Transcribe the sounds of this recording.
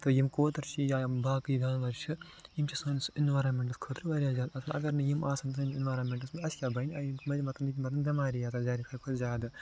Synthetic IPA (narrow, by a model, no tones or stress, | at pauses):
t̪ojimkoːt̪ɐɾt͡ʃʰijaːbaːkɨjiɡaːnʋɐɾʃɨ | jimt͡ʃʰɐsoːnsinʋaːɾɐnmʲeɳʈɐskʰoːt̪ɾiʋɐɾʲijaːzaːd̪ɐslɐ̰ɡɐɾnɨjimaːsɐnsɐninʋaːɾɐnmʲeɳʈɐsmɐsjʲaːbɐjniɐjimmɐɾʲimɐt̪ɐmit̪ʲimɐt̪ɐmɡɐmaːɾijaːt̪ɐzaːɾit̪ʰɐkʰot̪zʲaːd̪ɨ